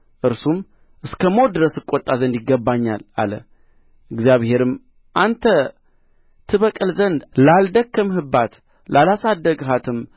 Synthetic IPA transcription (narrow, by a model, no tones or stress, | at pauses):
ʔɨɾsum | ʔɨskʰəmo̞d̪ɨɾəsɨkʼːot̪ʼːazənd̪jɪɡːəbːaɲːa̰la̰lə̰ | ʔɨɡzjaβhe̞ɾɨm | ʔant̪ʰə | t̪ʰɨβəkʼɨlzənd̪lald̪əkːɨmhɨbːat̪ | lalasad̪ːəɡɦat̪ʰɨm